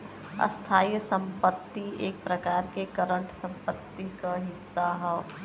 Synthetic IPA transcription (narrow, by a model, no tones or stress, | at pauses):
ɐ̰st̪ʰaːjsə̃mpət̪ːieːk̚pɾɐkaːɾkekəɾə̃ɳʈsə̃mpət̪ːikaɦɪsːaɦɛ